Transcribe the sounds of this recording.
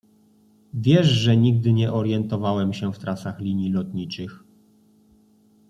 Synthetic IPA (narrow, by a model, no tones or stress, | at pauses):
vʲjɛʂʐɛɲiɡ̚d̪ɘɲɛʔɔɾjɛnt̪ɔvawɛmɕɛft̪ɾasaxlʲiɲjilɔt̪ɲit͡ʂɘx